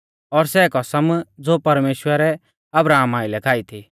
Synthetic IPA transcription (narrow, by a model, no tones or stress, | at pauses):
ɔɾsɛːkɔsəmd͡zoːpɐɾmeːʃwəɾɛ | ɐbɾaːmaːɪlɛkʰaːit̪ʰi